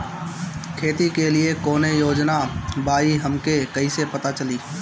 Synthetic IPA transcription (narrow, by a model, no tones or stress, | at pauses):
kʰeːt̪ikelɪekoːnejoːd͡ʒnabaːiɦɐmkekɐisepɐt̪at͡ʃɐliː